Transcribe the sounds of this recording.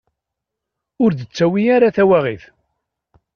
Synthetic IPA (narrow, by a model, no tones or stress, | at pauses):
ʊɾðət͡sːæwijaɾaθæwæʁiθ